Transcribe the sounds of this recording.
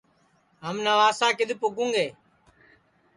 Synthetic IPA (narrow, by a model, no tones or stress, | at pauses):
ɦəmnaːʋaːsãːkɪd̪ʱɪpʊkũːŋɡeː